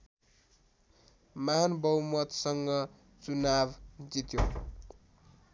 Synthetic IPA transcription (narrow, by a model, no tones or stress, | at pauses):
maɦanbʌwmʌt̪sʌŋɡʌ | t͡sunabd͡zit̪jo